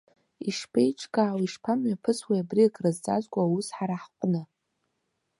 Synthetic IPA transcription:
iʂpʰejʈ͡ʂʰʼkʼaːwiʂpʰamɥapʰɨswajabrikʼrɨzt͡sʼa̰zʷkʷʼawusħaɾaħqʷʼnɨ

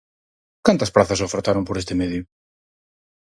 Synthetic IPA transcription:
kant̪ɐspɾaθɐsofeɾt̪aɾompoɾest̪emeðjʊ

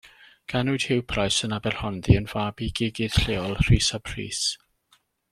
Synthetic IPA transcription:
ɡ̥anʊɨd̥hɪwpʰrajsənabɛrhɔnðiənv̥aːbiɡiːɡɪð̥ɬeːɔlˠr̥iːsabʰr̥ḭːs

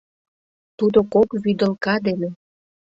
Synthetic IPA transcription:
t̪ud̪okokβyd̪ə̆lkɑd̪ele

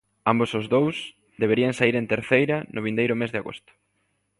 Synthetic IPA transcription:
ambosʊzðows | d̪eβeɾiɐŋsaiɾẽnt̪eɾθejɾɐnʔʊβ̞ind̪ejɾʊmezðeaɣo̰st̪ʊ̥

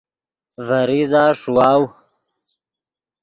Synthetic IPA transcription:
vɐɾizaːʂuwaːw

